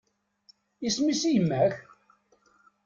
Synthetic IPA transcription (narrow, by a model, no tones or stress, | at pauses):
ismisijəmːæç